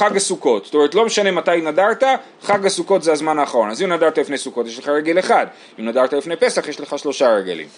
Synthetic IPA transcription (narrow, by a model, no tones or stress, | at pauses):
aɡasuko̞tstome̞ʁet̪lo̞meʃanematajinadaʁt̪a | χaɡasuko̞tzeazmanaːχaʁo̞nazimnadaʁt̪alifnejsuko̞t̪jeʃleχaʁeɡeleχad̪ | imnadaʁt̪alifnejpe̞saχjeʃle̞χaʃlo̞ʃaʁeɡḛlḭm